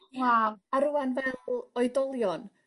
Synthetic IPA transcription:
mwaaɾuanvɛlɔjdɔlˠjɔn

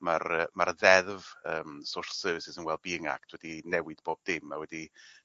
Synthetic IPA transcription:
marəmaɾəðɛðvəːmsʊr̥θsəːvɪsɪsənwɛlˠd̚biəŋa̰kd̥wɛdinɛwɪd̥b̥oːb̚dɪmawɛdi

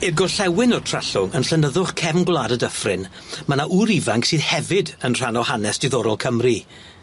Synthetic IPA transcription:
ɪrɡɔɬɛwɪnɔrtʰr̥aɬʊŋənɬənəðʊχkʰɛvnɡwlˠaːdədəfrɪn | manaʔuɾivaŋksiːðhɛvɪdənr̥anɔhanɛsd̥ɪðɔɾɔlˠkʰəmri

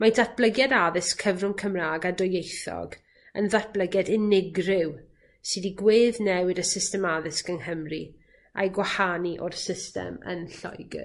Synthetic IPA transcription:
madʰat̚b̥lˠəɡjɛdaðɪskʰəvrʊŋkʰəmraːɡadɔjejθɔ̰ɡ | ə̰nðat̚b̥lˠəɡjɛdɪnɪɡrɪw | sɨdiɡweːðnɛwɪdəsɪstɛmaðɪskənɦəmri | a̰jɡwahaniʔɔ̰rsɪstɛ̰mə̰nɬɔ̰jɡɪ̰

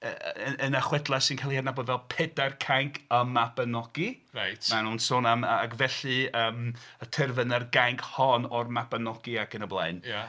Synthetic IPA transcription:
əəənaχwɛdlˠasinkʰalˠihadnabɔdvɛlˠpʰɛdarkʰaŋkʰəmabənɔɡ̥irajtmanuːnsoːnamakvɛɬɨəːmətʰɪrvənərɡaŋkʰhɔnɔrmabənɔɡ̥iaɡənəblˠa̰ɨnja

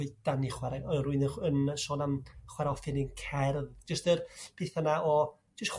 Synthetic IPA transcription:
ʊɨd̥aniχwɛɾaɔruɨnəənʃɔːnamχwɛɾɔfɨnɪnkʰɛrðd͡ʒəstərpʰeːθanaʔɔ | d͡ʒəstχ

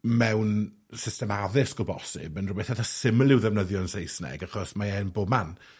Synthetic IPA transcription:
mɛwn | sɪstɛmaðɪskɔbɔsɪ̰bənrʊbɛθatasɪmlˠɪwðɛvnəðjɔnsejsnɛ̰ɡaχɔsmaɛːnboːman

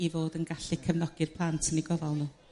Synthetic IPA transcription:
ivoːdənɡaɬikʰəvnɔɡ̥ɪrpʰlˠantʰəniɡɔvɔlˠnuː

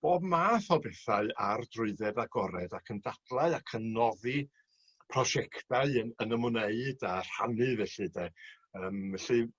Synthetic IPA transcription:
b̥oːbmaːθɔbɛθaɨa̰rdrʊɨðɛdaɡɔɾɛdakʰəndad̥lˠaɨakʰənːɔði | pʰrɔʃɛkʰtaɨəənəmʊneɨdar̥ha̰nɨvɛɬɨdɛ | əːmvɛɬɨ

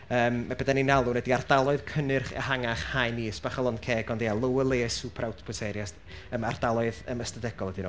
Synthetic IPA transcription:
əːmːabədaninalˠunɛdiardalˠɔɨð̥kʰənɨrχɛ̰haŋaχhajniːsb̥aχɔlˠɔndkʰeːɡɔndealˠəwəlˠeːsupʰɾawtʰpʰɔtʰɛɾjas | əmard̥alˠɔɨðə̰məstədɛɡ̥ɔlˠɛdinɔ

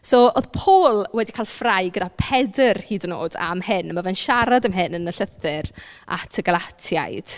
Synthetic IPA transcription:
sooðpʰoːlˠwɛdikʰaːlˠfrajɡədapʰɛdərhiːdəno̰ːda̰mhɪnəmavɛnʃaɾadəmɦɪnənəɬəθɪrʔa̰tʰəɡalˠatʰja̰jd̥

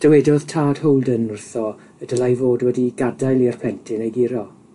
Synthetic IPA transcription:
d̥əwɛdɔð̥tʰaːd̥howlˠdənʊrθɔ | əd̥əlajvoːdwɛdiɡadajlˠirpʰɛntʰɪnejɡiɾɔ

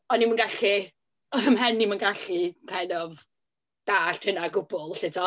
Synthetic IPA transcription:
ɔnimənɡaɬi | əmɦɛnːimənɡaɬipʰɛnɔv | d̥aːɬtʰɪnaɡʊbʊlˠɬɪdɔ

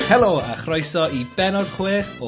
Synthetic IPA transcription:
hɛlˠoːa̰χrɔjsɔib̥ɛnɔd̥kʰweːθɔ

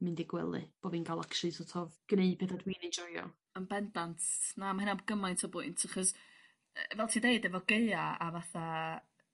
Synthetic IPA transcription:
mɨndɪɡwɛ̰lˠɨ̰b̥oːviːnɡalˠakʃɨsɔtʰɔvɡ̥ənejpʰeːθadwiːned͡ʒɔjɔ̰ | ənbɛndantʰnamaɪnabɡəmajntʰɔbʊɨntʰaχɔs | vɛlˠtʰideɨdɛvɔɡeɨaavaθa

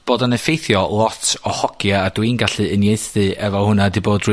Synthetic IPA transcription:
b̥oːdanəfejθjɔlˠɔtʰɔhɔɡ̥jaːdwinɡaɬɨənjeɨθðɨʔɛvɔhʊnadiboːdr

